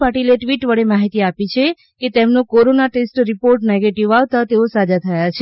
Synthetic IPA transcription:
paʈileʈʋiʈʋəɭemaɦit̪iapit͡ʃʰe | ket̪emnokoɾonaʈesʈɾipoɾʈneɡeʈiʋaʋt̪at̪eosad͡ʒat̪ʰəjat͡ʃʰe

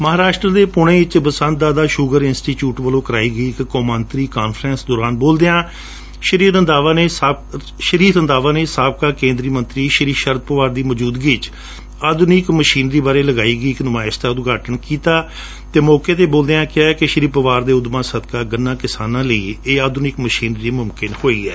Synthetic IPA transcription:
məɦaːɾaːʃʈɾəd̪eːpʊɽ̃ẽːɪt͡ʃbəsə̃nt̪̚d̪aːd̪aːʃʊɡəɾɪnsʈiːʈjuːʈʋəlõːkəɾa̰ːiːɡəiːɪkːɔːmənt̪ɾiːkaːnfʰɾə̃nsd̪ɔːɾaːnboːld̪eːãː | ʃəɾiːɾənd̪aːʋaːneːsaː | ʃəɾiːɾənd̪aːʋaːneːsaːb̚kaːkẽːnd̪ɾiːmənt̪ɾiːʃəɾiːʃəɾd̪̚pəʋaːɾd̪iːməd͡ʒuːd̪ɡiːt͡ʃ | aːd̪ʊnikməʃiːnɾiːbaːɾeːləɡaːiːɡəiːɪknʊmaːɪst̪aːʊd̪ɡaːʈəɳkiːt̪aː | t̪eːmɔːkeːt̪eːboːld̪eːãːkɪjaːɛːkɪʃəɾiːpəʋaːɾd̪eːʊd̪mãːsəd̪kaːɡənːãːkɪsaːnãːləiːeːaːd̪ʊnɪkməʃiːnɾiːmʊmkɪnhoːḭːɛː

